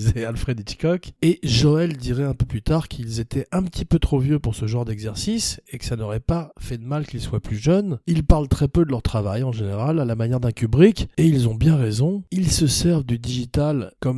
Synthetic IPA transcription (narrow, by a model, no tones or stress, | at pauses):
zealfχed̪it͡ʃi̥kɔkeʒɔɛld̪iʁɛɛ̃pøplyt̪aʁkʰilzet̪ʰɛʔɛ̃pət̪ʰipøt̪χovjøpuʁsəʒɑ̃ʁd̪ɛɡzɛʁsisekə̥sanɔʁɛpafɛd̪əmalkilswaplyʒœnilpaʁlt̪χɛpød̪əlœʁt̪χavajɑ̃ʒeneʁalalamanjɛʁd̪ɛ̃kʲybʁikeilzɔ̃bjɛ̃ʁezɔ̃ilsəsɛʁvd̪yd̪iʒit̪alkɔm